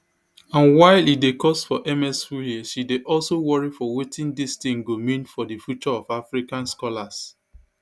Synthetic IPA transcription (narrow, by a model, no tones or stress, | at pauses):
ãnwaɪlidekɔsfɔʔɛmɛsuhiʃideʔɔlsowɔɹifɔwetĩndistĩŋɡomĩnfɔdifjut͡ʃɔɔfafɹikãnskɔlas